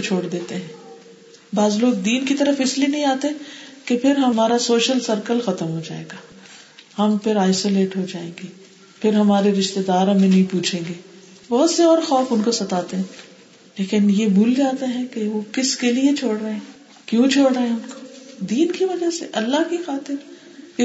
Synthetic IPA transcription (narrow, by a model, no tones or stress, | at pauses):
t͡ʃʰoːɽd̪eːt̪eɦɛ̃ː | baːzloːɡ̚d̪iːnkit̪ɐɾəfɪslinɐɦĩaːt̪ekepʰɪɾɦɐmaːɾasoːʃəlsɐɾkəlxɐt̪əmɦod͡ʒa̰ːḛːɡaː | hɐmpʰɪɾaːɪsoleːʈɦod͡ʒaːẽːŋɡiː | pʰɪɾɦɐmaːɾeɾɪʃt̪ed̪aːɾmẽnɐɦĩpuːt͡ʃʰẽːŋɡeː | bɐɦʊt̪seɔːɾxɔːfʊnkosɐt̪aːt̪eɦɛ̃ː | leːkɪnjebʱuːld͡ʒaːt̪eɦɛ̃keʋokɪskeliet͡ʃʰoːɽɾɐɦɛ̃ | kjũt͡ʃʰoːɽɾɐɦɛ̃ʊnko̥d̪iːnkiʋɐd͡ʒaseʔɐlːakixaːt̪ɪɾ